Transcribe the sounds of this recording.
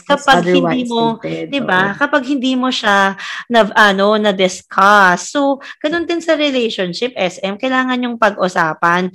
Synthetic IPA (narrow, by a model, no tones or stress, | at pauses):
kɐpaɡhɪniːmod̪ɪbakɐpaɡ̚hɪnd̪iːmoʃanɐʔɐnonɐd̪ɪskʰɐsːoɡ̥ɐnond̪ɪnsɐɾɛlɛjʃonʃɪp̚ʔɛsʔɛmkɐjlaːŋɐnjʊŋpɐɡʔʊsaːpɐn